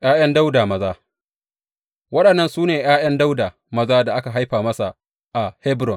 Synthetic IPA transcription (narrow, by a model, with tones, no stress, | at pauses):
j̰aː˦j̰ɐ˦nda˦wdaː˨mɐ˨zaː˦ | wɐ˦ɗɐ˨nːɐ˨nsuː˦neː˨j̰aː˦jɐ˦nda˦wdaː˨ | mɐ˦zaː˦da˨ʔa˦ka˨ɦa˦jɸaː˨mɐ˦sa˨ | ʔa˨hɛ˦bɾɔ˨n